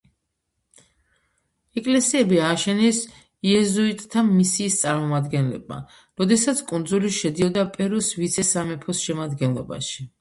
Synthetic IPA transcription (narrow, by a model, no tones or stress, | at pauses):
ɛkʼlɛsiɛbiaːʃɛnɛs | iɛzuit̪ʼt̪ʰamisiːst̪sʼaɾmɔmad̪ɡɛnlɛ̰b̚ma̰ | ɾɔd̪ɛsat̪sʰkʼund̪zuliʃɛd̪iɔd̪apʼɛɾɔsvit̪sʰɛsamɛpʰɔsʃɛmad̪ɡɛnlˠɔba̰ʃi